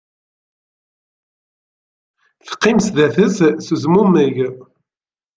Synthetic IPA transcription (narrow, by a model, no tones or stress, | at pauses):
θqːɪmsðæθəzsəzmuməʝ